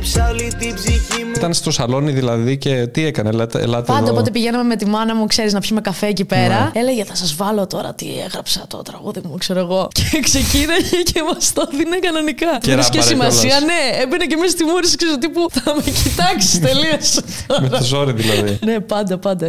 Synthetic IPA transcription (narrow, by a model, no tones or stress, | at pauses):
psɐlit̪izifiit̪ɐnst̪o̞sɐlo̞niðilɐðice̞t̪iekɐnelɐḛlɐt̪pɐnd̪ɐopo̞t̪̬epiʝenɐme̞me̞t̪imɐnɐmukse̞ɾiznɐpsimekɐfeːcipeɾɐe̞leʝeθɐsɐzvɐlo̞t̪o̞ɾɐ̰t̪ḭḛɣɾɐpsɐt̪o̞̰t̪ɾɐɣuðimukse̞ɾoeɣo̞ce̥kse̞cinɐʝecemɐst̪oðinekɐno̞nikɐiskesimɐsiɐɐne̞ebinecemisst̪imuɾisiksesot̪̬ipuθɐmecit̪ɐksi̥st̪eliɐsttomeɾɐozo̞ɾiðilɐðinepɐnd̪ɐpɐnd̪ɐ